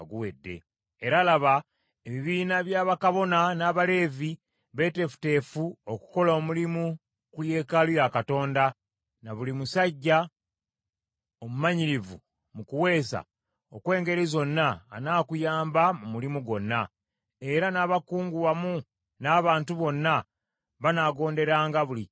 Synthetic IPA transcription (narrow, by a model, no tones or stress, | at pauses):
aɡuwe̞dːe̞̰ː | ɾalaβa | eβiβiːnaβjaːβakaβo̞nanaːβale̞ːvi | βe̞te̞fu̥te̞ːfuoku̥ko̞laomulimu | kuje̞ːkalujakato̞ːnda | naβulimusaɟːa | o̞mumaɲiɾivṵ | mukuwe̞ːsa̰ | okwe̞ːŋɡe̞ɾizo̞nːaːnaːkujaːmbamumulimuɡo̞nːa | e̞ɾanaːβakuːŋɡuwamu | naːβaːntuβo̞nːa | βanaːɡo̞ːnde̞ɾaːŋɡaβuli